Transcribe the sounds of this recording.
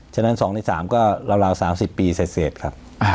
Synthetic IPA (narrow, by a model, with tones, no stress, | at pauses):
t͡ɕʰa˥˩na˦˥nsɔː˩˦ŋnaː˦˧˩sa̰ː˩˦mkɔː˥˩ɾa˧wɾaː˧wsaː˩˦msi˨˩pːiː˧se˨˩t̪̚seː˨˩t̪̚kʰa˦˥p̚